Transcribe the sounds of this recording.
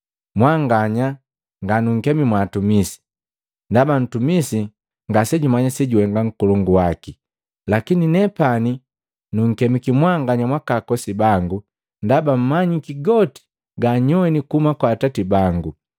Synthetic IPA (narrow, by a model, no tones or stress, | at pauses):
mwaŋɡaɲa | ŋɡanuŋ̩kɛmimwaːtumisi̥ | ndaban̩tumisi | ŋɡasɛɟumaɲasɛɟuɛŋɡaŋ̩kɔlɔŋɡuwaki | lakininɛpani | nuŋ̩kɛmikimwaŋɡaɲamwakakɔsibaŋɡu | ndabam̩maɲikiɡɔti̥ | ɡaɲɔɛnikumakwaːtatibaŋɡu